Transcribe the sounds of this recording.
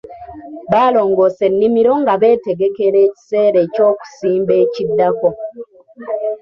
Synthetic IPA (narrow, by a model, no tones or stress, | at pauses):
βaːlo̞ːŋɡo̞ːse̞nːimiɾo̞ŋɡaβe̞ːte̞ɡe̞ke̞ɾe̞ːci̥se̞ːɾe̞co̞ːku̥siːmbe̞ːcidːako̞